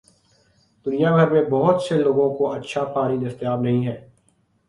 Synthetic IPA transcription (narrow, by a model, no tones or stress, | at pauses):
d̪̥ʊnijaɡʱəɾmẽbɔɦʊt̪seloːɡõkoʔɐtːʃʰapʰaːɾid̪ɐst̪ɪjaːbnɐɦĩɦɛː